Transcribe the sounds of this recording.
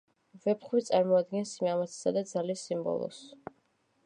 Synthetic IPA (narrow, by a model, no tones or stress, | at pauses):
vɛpʰχwit̪sʼaɾmɔad̪ɡɛnsimamat̪sʰi̥sad̪ad̪zalisimbɔ̰lˠɔ̰s